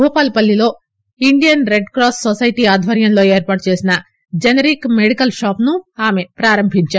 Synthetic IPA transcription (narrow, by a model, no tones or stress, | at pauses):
uːpaːlpɐlːilo̞ː | iɳɖijɐnɾeɖkɾaːssosɐjʈiːaːd̪ʱʋɐɾjɐmlo̞ːeːɾpaːʈ̚t͡ʃe̞ːsinɐ | d͡ʒɐneɾikmeɽikɐlʃaːpnuaːme̞pɾaːɾɐmbʱiɲt͡ʃaː